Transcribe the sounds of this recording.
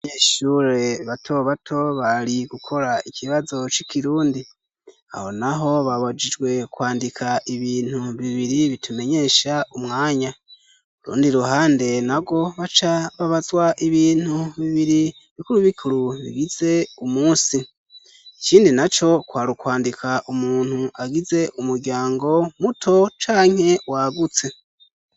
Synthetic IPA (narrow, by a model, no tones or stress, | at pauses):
aɲeːʃuːɾe̞βatʰo̞βatʰo̞βaɾiɡukʰo̞ɾaiciβazo̞t͡ʃikiɾuːndi | a̰ho̞naɦo̞βaβad͡ʒid͡ʒɡwe̞kwaːndikʰaiβiːn̥huβiβiɾiβitʰume̞ɲe̞ʃaumŋaːɲa | uɾṵːndiɾuhaːnde̞nabɡo̞βat͡ʃaβaβazwaʔiβiːn̥huβiβiɾi | βikuɾuβikʰuɾuβḭɡiz̥e̞umuːsi | ciːndinat͡ʃo̞kwaːɾukwaːndikʰaʔumuːn̥huʔaɡize̞ʔumuɾɡɟaːŋɡo̞mutʰo̞t͡ʃaːŋ̥he̞waɡut͡se̞